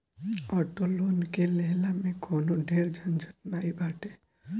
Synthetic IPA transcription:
ɔʈolonkeleɦlamẽkɔnoɖʱeɾd͡ʒʱənd͡ʒənnaibaʈe

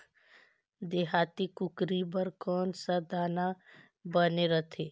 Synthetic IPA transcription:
d̪eːɦaːt̪ikʊkɾibəɾkɔːnsad̪aːna | bəneɾət̪ʰeː

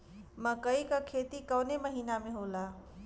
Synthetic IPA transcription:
məkəikakʰet̪ikəwneməɦiːnameɦola

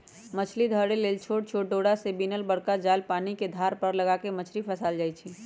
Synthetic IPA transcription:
mət͡ʃʰlid̪ʱəɽeleːlt͡ʃʰoːʈ̚t͡ʃʰoːʈ̚ɖoːɽasebinəlbəɽkad͡ʒaːlpaːniked̪ʱaːɾpəɾləɡakemət͡ʃʰlipʰəsaːld͡ʒaːit͡ʃʰi

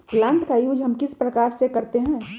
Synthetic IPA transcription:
plãːnt̪kajuːd͡ʒɦɐmkɪspɾɐkaːɾsekɐɾt̪eɦɛ̃ː

